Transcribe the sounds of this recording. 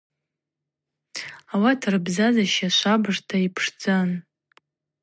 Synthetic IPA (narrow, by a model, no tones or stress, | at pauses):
awatʰarɨbzazaʃaʃʷabɨʐtʰaipʰʂd͡zan